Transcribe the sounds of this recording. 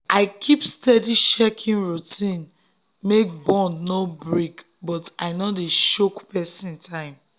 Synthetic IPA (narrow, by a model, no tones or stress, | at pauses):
ʔaɪkʰipstɛdiʃɛkʰĩnɹutʰĩn | mek̚bɔ̃nnobɹik | bɔtaɪnodeʃokpɛsĩntʰãɪ̃m